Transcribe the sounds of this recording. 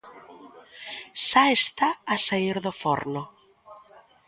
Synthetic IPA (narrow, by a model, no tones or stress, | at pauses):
saest̪aːsaiɾðofɔ̰ɾno